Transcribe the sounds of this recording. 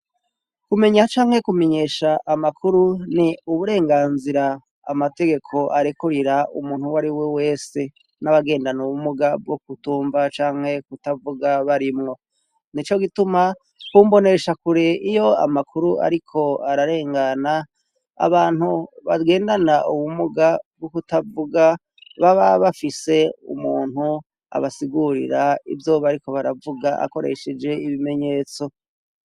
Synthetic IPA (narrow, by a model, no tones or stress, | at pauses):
kume̞ɲat͡ʃaːŋhe̞kume̞ɲe̞ːʃaʔːmakʰuɾuniuβuɾe̞ːŋɡaːnziɾa̰ː | mate̞ɡe̞kʰo̞ʔaɾikuɾiɾaumuːn̥huwaɾiwewe̞ːse | naβaɡe̞ːndanuumuɡab̚ɡok̚utuːɱvat͡ʃaːŋ̥he̞kutavuɡaβaɾimŋo̞ | nit͡ʃo̞ɡituma | kuːmbo̞ne̞ʃakuɾeijo̞a̰makʰuɾua̰ɾikʰo̞aɾaɾe̞ːŋɡana̰ː | βaːnhuβaɡe̞ːndanaʔuwumuɡabɡukutavuɡa | βaβaβafise̞ṵmuːn̥hu | a̰βasiɡuɾḭɾaḭvjo̞ːβaɾiko̞βaɾavuɡaʔa̰ko̞ɾe̞̰ʃed͡ʒe̞iβime̞ɲe̞ːt͡so̞